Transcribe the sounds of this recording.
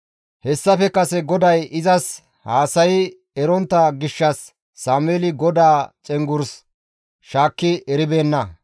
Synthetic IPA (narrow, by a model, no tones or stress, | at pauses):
hɛsːɐfɛkɐsɛɡɔd̪ɐjɪzɐs | haːsɐjɪ | ɛɾɔnt̪ːɐɡɪʃːɐsː | aːmeːlɪɡɔd̪aːt͡ʃʼɛŋɡʊɾs | ʃaːkːɪɛɾɪbe̞ːnːɐ